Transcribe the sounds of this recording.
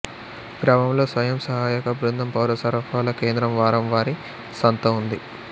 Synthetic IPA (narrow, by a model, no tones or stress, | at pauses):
ɡɾaːmɐmlo̞ːsʋɐjɐmsɐɦaːjɐkɐbɾund̪ʱɐmpɐwɾɐsɐɾɐpʰaːlɐkeːnd̪ɾɐmʋaːɾɐmʋaːɾi | sɐnt̪ɐund̪i